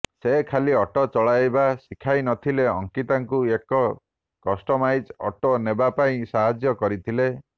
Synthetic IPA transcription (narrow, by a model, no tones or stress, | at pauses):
sekʰaliɔʈɔt͡ʃɔɭajbasikʰajnɔt̪ʰileɔŋkit̪aŋkuekɔ | kɔsʈɔmajd͡ʒɔ̰ʈonebapaĩsaɦad͡ʒjɔkɔɾit̪ʰile